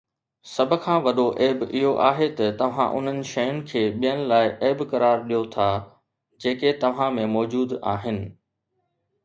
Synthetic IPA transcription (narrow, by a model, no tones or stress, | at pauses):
sɐbʱʊ̆kʰãːʋɐɗoʔeːbɪɦoʔaːɦet̪ɐt̪ɐʋ̤ã̰ʔʊ̰n̤ənɪ̆ʃɐjʊnɪ̆kʰeːɓijənɪ̆laːɪʔeːbkɐɾaːɾɗijot̪ʰaː | d͡ʑeːket̪ɐʋ̤ãmẽmɔːd͡ʑuːd̪aːɦɪnɪ̆